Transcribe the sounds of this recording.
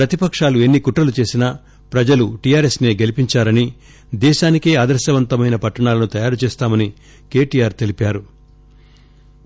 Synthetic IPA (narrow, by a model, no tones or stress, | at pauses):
pɾɐt̪ipɐkʂaːlue̞nːikuʈɾɐlut͡ʃe̞ːsinɐ | pɾɐd͡ʒɐluʈijaːɾe̞sneːɡe̞lipiɲt͡ʃaːɾɐni | d̪ɛːʃaːnikeːaːd̪ɐɾʃɐʋɐnt̪ɐmɐjnɐpɐʈːɐɳaːlɐnut̪ɐjaːɾut͡ʃɛːst̪aːmɐni | ke̞ːʈiːjaːɾt̪e̞lipaːɾu